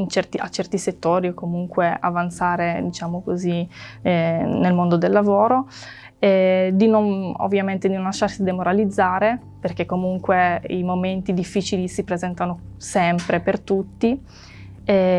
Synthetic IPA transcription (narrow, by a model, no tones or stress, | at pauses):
int͡ʃɛrt̪iʔa̰t͡ʃɛrt̪iset̪ːoːɾiokːomuŋkwea̰vant̪saːɾed̪it͡ʃaːmokoziɛnelmond̪od̪elːavoːɾo | ɛd̪inono̰vːjament̪ed̪inõnlaʃːarsid̪emoɾalid̪zːaːɾe | perk̟ekːomuŋkweimoment̪id̪ifːiːt͡ʃilisipɾezɛnt̪anosɛmpɾepert̪ut̪ːi | ɛ